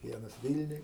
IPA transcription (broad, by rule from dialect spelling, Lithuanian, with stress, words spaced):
ˈʋʲiɛnɐs ˈʋʲɪlʲnʲʊj